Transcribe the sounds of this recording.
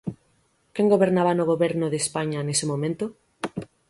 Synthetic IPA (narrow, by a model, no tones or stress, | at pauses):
keŋɡoβeɾnaβanoɣ̞oβɛɾnʊðespaɲanesɪmõmẽnt̪o